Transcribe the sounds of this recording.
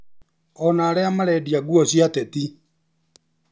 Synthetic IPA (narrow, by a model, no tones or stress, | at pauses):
ɔnaːɾeamaɾɛdiaɡuɔsjatɛti